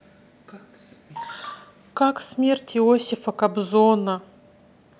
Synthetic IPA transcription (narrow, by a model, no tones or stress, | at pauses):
kaksmʲertʲɪosʲɪfəkɐbzonə